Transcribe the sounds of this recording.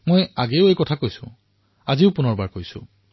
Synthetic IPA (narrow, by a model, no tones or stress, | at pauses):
mojaɡeʊekɔtʰakojsʊ̃ | aziʊpunɔɹbaɹkojsʊ̰̃